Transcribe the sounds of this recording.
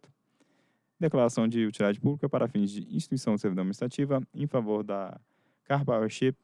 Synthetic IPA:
t̪ʊ̥ | d̪eklaɾasɐ̃w̃d͡ʒɪut͡ʃilid̪ad͡ʒɪpublikɐpaɾʔafĩj̃zd͡ʒɪḭ̃ʃt͡ʃi̥t̪uisɐ̃w̃ɪseɾvid̪ɐ̃minist̪ɾat͡ʃivɐẽj̃favoɾd̪ɐ | kaɾbaoʃe

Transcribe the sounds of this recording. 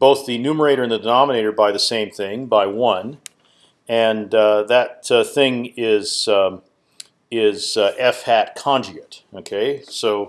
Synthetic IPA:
b̥oʊθðɨɨnʉmə˞eɪɾə˞ɨ̃nðɨdɨnɑməneɪɾə˞baɪðɨsẽɪ̃mθɪ̃ŋbaɪwʌ̃n | ɨ̃nðɨt̪̚θɪ̃ŋɪz̥ | ɪzʔɛfhætkʰɑ̃nd͡ʒiɨt̚oʊkʰeɪsoʊ

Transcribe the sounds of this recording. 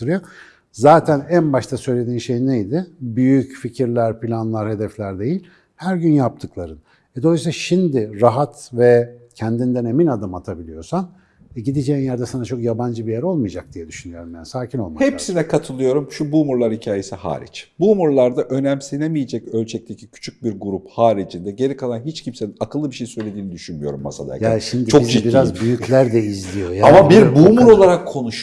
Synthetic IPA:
ɯɾɯjo | zaːt̪ʰænænbaʃt̪ʰasø̞jlʲe̞d̪iːnʃe̞jinejd̪ɪbyjycficʰiɾlʲæɾpilʲanlˠaɾhe̞d̪ɛflʲæɾd̪e̞jilʲ | hæɾɟynjap̚t̪ʰɯklˠaɾɯn | ɛd̪oajsilʲaʃimd̪ɪɾaɦat̪vɛcʰɛnd̪ind̪æne̞minad̪ɯmat̪ʰabilʲijo̞ɾsan | ɛɟid̪id͡ʒɛjinjæɾd̪ɛsanat͡ʃʰo̞kjaband͡ʒɯbijɛɾo̞lˠmɯjad͡ʒak̚d̪ijɛd̪yʃynyjo̞ɾumbænsaːcʰino̞lˠmahepsinɛkʰat̪ʰɯlˠɯjo̞ɾumʃubuːmuɾlˠaɾhicʰaːjesiha̰ːɾḭt͡ʃbuːmuɾlˠaɾd̪aʔø̞næmsinemijed͡ʒɛcø̞lʲt͡ʃʰɛc̚t̪ʰe̞cʰicʰy̥t͡ʃʰyc̚biɾɡuɾuphaːɾid͡ʒind̪ɛɟe̞ɾʲikʰalˠanɦit͡ʃcʰimseinakʰɯlˠːɯbiʃejsø̞jlʲe̞d̪iːnid̪yʃynmyjo̞̰ɾṵmːa̰sa̰d̪a̰jjaʃimd̪it͡ʃʰoizbiɾazbyjyclʲæɾd̪ɛizlʲijo̞jaːamabiɾbuːmuɾo̞lˠaɾakʰːo̞nuʃ

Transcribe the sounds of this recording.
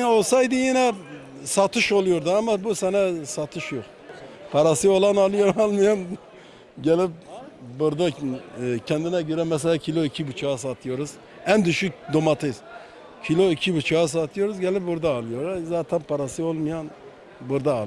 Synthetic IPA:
no̞lˠsɑjd̪ɯjinɛ | sɑt̪ʰɯʃo̞lˠujoɾd̪uamabusɛnɛsat̪ʰɯʃjoχ | pʰaɾasɯo̞lˠanɑlˠɯjoɾalˠmɯjan | ɟɛlip̚buɾd̪a | cʰɛnd̪inɛɟøɾɛmɛs̬ɛlæcʰilʲˠoicʰibut͡ʃʰaas̬at̪ʰɯjo̞ɾuz̥ | ænd̪yʃyk̚d̪omɑt̪ʰɯz̥ | cʰilʲˠoicʰibut͡ʃʰaas̬at̪ʰɯjo̞ɾuzɟɛlip̚buɾd̪aːlˠɯjoɾazaːt̪ʰɛnpʰaɾasɯolˠmɯjan | buɾd̪aːlˠ

